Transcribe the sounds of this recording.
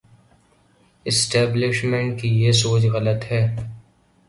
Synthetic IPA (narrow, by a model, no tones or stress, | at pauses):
ɪsʈɛːblɪʃmẽɳʈkijesoːt͡ʃɣɐlət̪ɦɛː